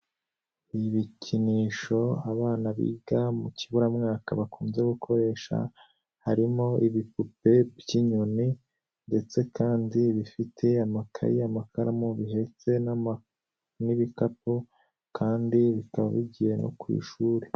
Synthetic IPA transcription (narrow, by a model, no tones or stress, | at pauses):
iβicʰiniːʃo̞aβaːnaβḭːɡamucʰiβuɾamŋaːkaβakuːmze̞ɡukʰo̞ɾe̞ːʃa̰ | haɾimo̞iβipupe̞bjiɲoni | nde̞t͡se̞kʰaːndiβifitʰe̞amakʰa̰jiamakʰaɾamoβiɦe̞t͡se̞n | niβikapu | kʰaːndiβikaβaβiɟije̞nʔo̰kwḭːʃuːɾe